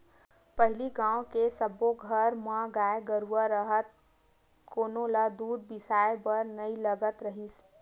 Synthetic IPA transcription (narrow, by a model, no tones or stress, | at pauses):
pəɦɪliɡãːokesəboɡʱəɾmãɡaːeɡəɾuwəɾəɦət̪̚ | koːnõlad̪uːɾbɪsaːebəɾnəiləɡət̪ɾəɦis